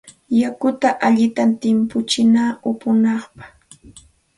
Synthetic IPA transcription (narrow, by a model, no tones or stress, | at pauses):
jakʊt̪aʔaʎɪt̪ant̪ɪmpʊt͡ʃɪnaːʊpʊnɑχpɑ̥χ